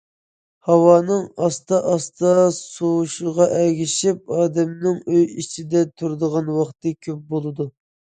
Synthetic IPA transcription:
hɑwɑːnɨŋɑst̪ɑʔɑst̪ʰɑsoʃɨʁɑʔɛɡʲiʃip̚ɑːd̪ɛmnɪŋøjit͡ʃʰid̪ɛt̪ʰuɾd̪əʁɑnwɑχt̪ɨkʲʰøp̚bolˠɨd̪u

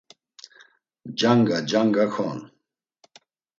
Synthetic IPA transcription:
d͡ʒaŋɡad͡ʒaŋɡakʰɔn

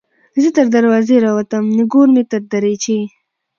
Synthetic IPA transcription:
zit̪ɐɾd̪aɾwɑːzeɾaːwat̪əmniɡoːɾmit̪aɾd̪aɾet͡ʃe

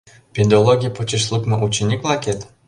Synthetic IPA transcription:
pʲed̪ʲolˠoɡʲijpot͡ɕiʃlˠukmɤ̆ʔut͡ɕːĕnʲiklˠɑkʲet̪

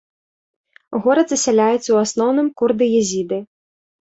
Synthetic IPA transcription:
ɣɔɾɐd̪zɐsʲalʲajut̪sʲɐwasnɔwnɨmkurd̪ɨjɛzʲid̪ɨ

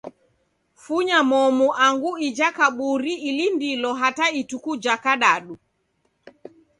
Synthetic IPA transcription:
fuɲamɔmuʔaŋɡuid͡ʒakaɓuɾiilindilɔɦataitukud͡ʒakaɗaɗu

